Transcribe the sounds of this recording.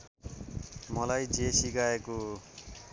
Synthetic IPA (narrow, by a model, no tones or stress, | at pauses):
mʌlajd͡ʒesikaeko